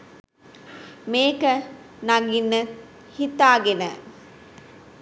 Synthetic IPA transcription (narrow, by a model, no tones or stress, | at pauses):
meːkə | naɡinːə | hit̪aːɡenə